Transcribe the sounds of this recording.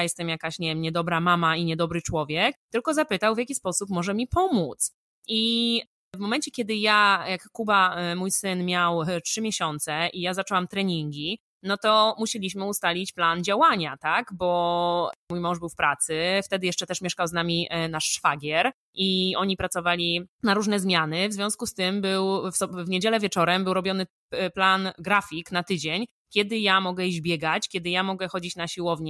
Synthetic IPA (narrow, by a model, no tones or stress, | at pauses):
ajɛst̪ɛmjakaɕɲɛvjɛmɲɛd̪ɔbɾamamaiɲɛd̪ɔbɾɘt͡ʂwɔvʲjɛk̚t̪ɘlkɔzapɘt̪awvjakʲispɔsupmɔʐɛmʲipɔmut̪s | ʔi | vmɔmɛnt͡ɕɛkʲɛd̪ɘjajakːubamujsɘnmʲjawtʂɘmʲjɛɕɔnt̪sɛʔijazat͡ʂɔwamt̪ɾɛɲiŋɡʲi | nɔt̪ɔmuɕelʲiɕmɘust̪alʲit͡ɕpland͡ʑawaɲat̪aɡbɔ | mujmɔ̃w̃ʐbɘwfpɾat̪sɘft̪ɛd̪ɘjɛʂt͡ʂɛt̪ɛʂmʲjɛʂkawznamʲinaʂːfaɡʲjɛɾ | ʔiɔɲipɾat̪sɔvalʲinaɾuʐnɛzmʲjanɘvzvʲjɔ̃w̃skust̪ɘmbɘwfɔvɲed͡ʑɛlɛvʲjɛt͡ʂɔɾɛmbɘwɾɔbʲjɔnɘ | planɡɾafʲiknat̪ɘd͡ʑeɲ | kʲɛd̪ɘjamɔɡɛid͡ʑbʲjɛɡat͡ɕkʲɛd̪ɘjamɔɡɛxɔd͡ʑit͡ɕnaɕiwɔvɲɛ